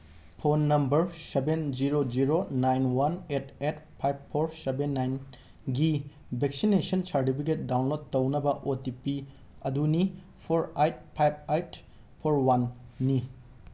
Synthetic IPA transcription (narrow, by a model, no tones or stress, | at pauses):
pʰonːɐmbɐɾsebend͡ʒiɾod͡ʒiɾonajnwanet̚ʰetpʰajb̚pʰːoɾsebenːajn | ɡi | bek̚sinesɐnt͡ʃaɾtipʰik̬et̚dawnlod̚tɐwnɐbɐʔotipi | ɐduni | pʰoɾajt̚pʰajb̚ajt | pʰoɾwanːi